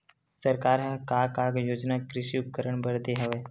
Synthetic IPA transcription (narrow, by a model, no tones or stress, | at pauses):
səɾkaːɾɦɛ̃kaːkakjoːd͡ʒnakɾɪʃiʊp̚kəɾəɳbəɾd̪eɦɐʋeː